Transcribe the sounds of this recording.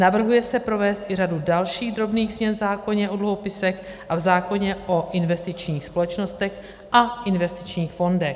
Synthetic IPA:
navr̩ɦujɛsɛpɾo̞vɛːst̪ʔɪradudalʃiːɣd̪ɾo̞bniːɣzmɲɛnvzaːko̞ɲɛʔo̞dluɦo̞pɪsɛxʔavzaːko̞ɲɛʔo̞ʔɪnvɛst̪ɪt͡ʃɲiːxspolɛt͡ʃnost̪ɛx | ʔaʔɪnvɛst̪ɪt͡ʃɲiːxfo̞ndɛx

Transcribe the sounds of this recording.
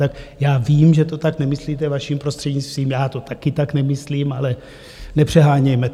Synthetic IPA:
t̪akjaːviːmʒɛt̪o̞t̪aknɛmɪsliːt̪ɛvaʃiːmpɾost̪r̥ɛdɲist̪viːmjaːt̪o̞t̪akɪt̪aknɛmɪsliːmalɛ | nɛpr̥ɛɦaːɲɛjmɛt

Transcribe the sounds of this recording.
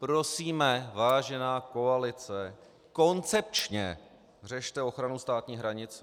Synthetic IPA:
pɾo̞siːmɛvaːʒɛnaːko̞alɪt͡sɛ | ko̞nt͡sɛp̚t͡ʃɲɛ | rɛʃt̪ɛo̞xɾanust̪aːt̪ɲiːɦɾaɲɪt͡s

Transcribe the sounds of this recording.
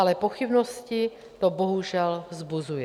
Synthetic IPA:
alɛpoxibnoɔsci | t̪oboɦuʒɛlvzbuzujɛ

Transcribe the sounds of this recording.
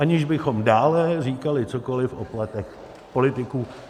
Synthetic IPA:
ʔaɲɪʒbɪxo̞mdaːlɛriːkalɪt͡soko̞lɪfʔoplat̪ɛx | po̞lɪt̪ɪkuː

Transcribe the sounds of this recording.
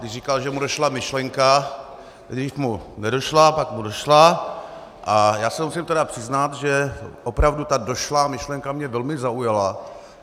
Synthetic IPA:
dɪrikalʒɛmudoʃlamɪʃlɛŋka | ɡifmunɛdo̞ʃlapakmudo̞ʃla | ʔajaːsɛmusɪmt̪ɛdapr̥ɪznat̪ʒɛʔopɾavdut̪ado̞ʃlamɪʃlɛŋkamɲɛvɛlmɪzaujala

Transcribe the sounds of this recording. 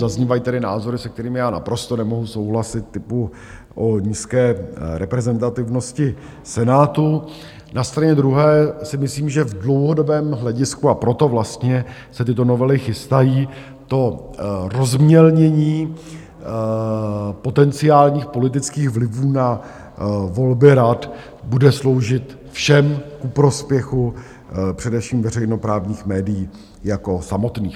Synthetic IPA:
azɲiːvajit̪ɛdɪna̰ːzo̞ɾɪsɛkt̪ɛɾiːmɪjaːna̰pɾo̞st̪o̞nɛmo̞ɦuso̞wɦlasɪt̪̚ːɪpu | ʔoɲiːskɛːɾɛpɾɛzɛnt̪at̪ɪvno̞scɪ | sɛnaːt̪u | nast̪ɾaɲɛd̪ɾuɦɛːsɪmɪsliːmʒɛvdlo̞wɦo̞do̞bɛːmɦlɛɟɪskuapɾo̞t̪o̞vlast̪ɲɛsɛt̪ɪt̪o̞no̞vɛlɪxɪst̪ajiː | t̪o̞ɾo̞zmɲɛlɲɛɲiː | po̞t̪ɛnt͡sɪaːlɲiːxpo̞lɪt̪̬ɪt͡skiːɣvlɪvuːna | vo̞lbɪɾat̪ | budɛslo̞wʒɪt̪ | fʃɛmkupɾo̞spjɛxu | pr̝̥ɛdɛfʃiːmvɛrɛjno̞pɾaːvɲiːxmɛːdɪjiː | jako̞samo̞t̪niː

